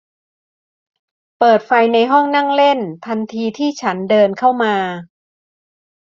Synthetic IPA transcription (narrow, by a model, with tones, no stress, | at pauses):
pɤː˨˩t̪̚fa˧jna˧jɦɔ˥˩ŋna˥˩ŋle˥˩np̪ʰa˧nt̪ʰiː˧t̪ʰiː˥˩t͡ɕʰa˦˥ndɤː˧nkʰa˥˩wmaː˧